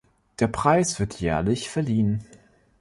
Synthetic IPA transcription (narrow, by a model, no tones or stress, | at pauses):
d̥eːɐpʁ̥aɪsv̥ɪɐtʰjɛːɐlɪçfɛɐliːən